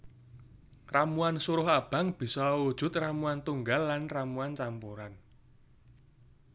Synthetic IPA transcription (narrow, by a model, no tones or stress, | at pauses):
ramuansuɾʊɦab̥a̤ŋb̥i̤sɔwud̥ʒ̥ʊ̤t̪ramuant̪uŋɡalːanramuant͡ʃampuɾan